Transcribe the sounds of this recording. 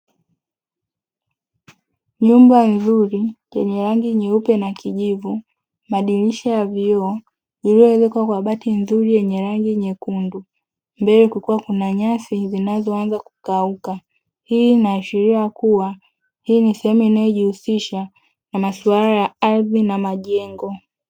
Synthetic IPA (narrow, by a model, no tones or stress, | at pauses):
ɲumbanzuɾijɛɲɛɾaŋɡiɲɛupɛnakiʄivu | maɗiɾiʃajaviɔː | iliɔɛzɛkwakwaɓatinzuɾijɛɲɛɾaŋɡiɲɛkundu | mbɛɾɛkukuwakunaɲasizinazɔanzaku̥kauka | hiːnaːʃiɾiakuwa | hiːnisɛhɛmuinajɔʄihusiʃa | namasualajaaɾðinamaʄɛŋɡɔ